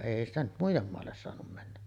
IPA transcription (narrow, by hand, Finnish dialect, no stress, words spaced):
eˑi stæ nyt muijˑem moɑlːes soɑnum mænːæ